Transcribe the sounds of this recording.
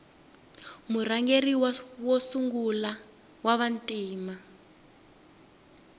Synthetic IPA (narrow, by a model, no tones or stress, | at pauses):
muraŋɡeriwwɔsuŋɡula | waβantʼiːma